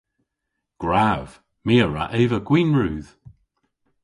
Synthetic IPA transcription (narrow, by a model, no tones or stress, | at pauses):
ɡ̥ɹav̥ | miːəɹa̰ʔeːvəɡ̥wiːnɹuːð̥